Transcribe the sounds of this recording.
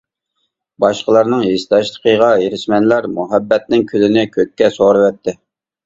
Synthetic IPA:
bɑʃqəlˠɑɾnɨŋjest̪ʰɑʃlˠə̥qʰəʁɑjeɾɪʃmɛnlæɾmuɦɛbːɛt̪nɪŋkʲʰølɪnɪkʲʰøkʲːɛsoɾɨwɛt̪ʰːɪ

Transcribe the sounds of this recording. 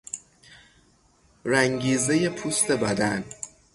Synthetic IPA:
ræŋɟiːze̞je̞pʰust̪e̞bæd̪æn

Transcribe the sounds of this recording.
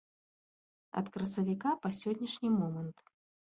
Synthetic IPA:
ɐ̰t̪kɾɐsɐvʲikapɐsʲɔdʲnʲɐʂnʲimɔmɐnt̪

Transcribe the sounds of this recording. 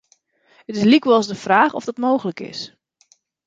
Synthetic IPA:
ətɪslikʋɔlˠzdəfraːχɔ̰vdɔtmowχələkɪ̰s

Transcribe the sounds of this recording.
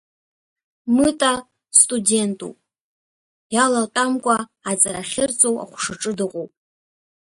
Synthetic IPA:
mɨtʼa | stʼude̞ntʼṵpʼ | jalatʼamkʷʼaːt͡sʼaɾaχʲɪrt͡sʼowa̰χʷʂaʈ͡ʂʼɨdɨqʷʼopʼ

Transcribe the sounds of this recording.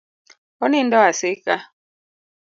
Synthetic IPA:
ɔnindɔasɪka

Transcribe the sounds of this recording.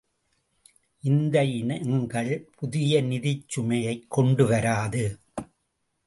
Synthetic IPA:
ʔɪnd̪ɐjɪnŋɡɐɭpʰʊðɪjɐnɪðɪt͡ʃːʊmɐjɐɪkʰːɔɳɖɯʋɐɾaːðɯ

